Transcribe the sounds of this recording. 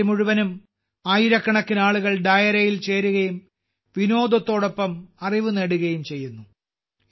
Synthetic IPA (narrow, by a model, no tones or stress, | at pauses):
muɻuʋɐnum | aːjiɾɐkːɐɳɐkːinaːɭuɣɐɭɖɐjɐɾɐjilt͡ɕe̞ːɾuɣɐjum | ʋino̞ːd̪ɐt̪ːo̞ːɽo̞pːɐmɐriʋuneɽuɣɐjumt͡ɕe̞jːunːu